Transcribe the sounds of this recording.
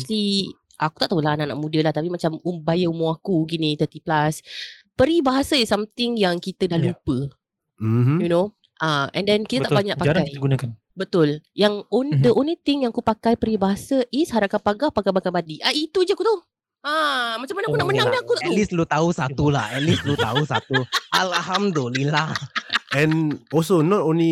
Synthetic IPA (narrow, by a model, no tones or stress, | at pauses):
sli | ʔakut̪aʔt̪aulanaʔna̰ʔmũdəlaht̪apimat͡ʃamumbajəumuakuɡinit̪ət̪iplaspəɾibaɦasaisːamt̪ɪŋjaŋkit̪ədahlupə | juno | ʔaɛ̰̃ndɛnkit̪ət̪abaɲaʔpaaɾaajj̪ɡunakan | bət̪ʊljaŋonid̪əʔõnlit̪ɪŋjaŋakupakajpəɾibaɦasəʔɪshaɾakapaɡahpakajbakabadiʔait̪ud͡ʒəakut̪au | amat͡ʃamanaʔkunaʔmənãaakut̪aʔt̪ulislut̪ausat̪ulahɛt̚lislut̪ausat̪uʔalaɦamdulilahʔɛ̃nɔlsonɔtõnli